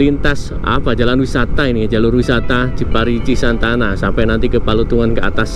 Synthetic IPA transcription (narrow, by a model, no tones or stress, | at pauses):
lint̪as | a̰b̥add͡ʒalanwisat̪aini̥d͡ʒalʊrwisat̪ḁd͡ʒ̥ə̤paɾit͡ʃisant̪anasampɛnant̪ikəpalut̪uŋankəa̰t̪as